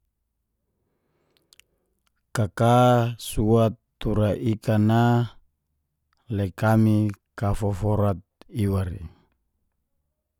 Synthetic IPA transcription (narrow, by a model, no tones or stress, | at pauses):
kakasuat̪ːuɾaʔikana | lɛkamikafɔfɔɾat̪̚iwaɾḭ